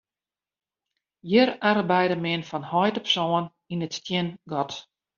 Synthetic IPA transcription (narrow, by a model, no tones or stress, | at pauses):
jɪɾarbɛjdəmɪnfɔnhɔjtəpsɔːən | inətstjɪnɡɔt